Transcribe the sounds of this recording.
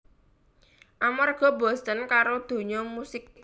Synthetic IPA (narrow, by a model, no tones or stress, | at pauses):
ʔamarɡ̥ɔ̤bɔ̤st̪ənkaɾod̪̥o̤ɲɔmusɪk̪̚